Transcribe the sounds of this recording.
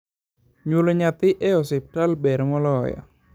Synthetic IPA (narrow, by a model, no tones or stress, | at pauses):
ɲuləɲat̪iʔeɔsip̚ʈalbɛɾmɔlɔja̰